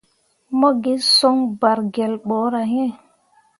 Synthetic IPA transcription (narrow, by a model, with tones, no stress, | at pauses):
mɔ˦ɡe˦sɔ˦ŋba˨ɾɡɛ˨lɓɔ˨˦ɾa˨ɦɛ̃˦